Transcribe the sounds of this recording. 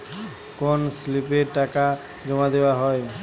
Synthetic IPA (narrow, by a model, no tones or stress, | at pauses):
konslipeɾʈaka | d͡ʑomad̪eoaɦɔe